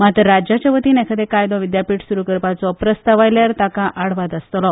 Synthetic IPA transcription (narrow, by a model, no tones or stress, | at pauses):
mat̪ɾəɾad͡ʑat͡ɕəʋət̪iːnɛkʰat̪ekajd̪ɔʋid̪japiːʈsuɾukəɾpat͡sɔpɾəst̪aʋajljaɾt̪akãʔaɽʋat̪əst̪lɔ